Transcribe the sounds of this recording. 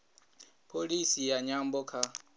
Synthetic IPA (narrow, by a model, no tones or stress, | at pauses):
pʰolisijaɲambɔkʰa